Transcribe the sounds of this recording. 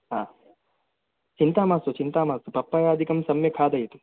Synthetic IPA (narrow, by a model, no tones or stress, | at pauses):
ɦaː | t͡ʃint̪aːmaːsut͡ʃint̪aːmaːsupɐpːɐjaːɐd̪ʱikɐmsɐmjɐkʰaːd̪ɐjit̪u̥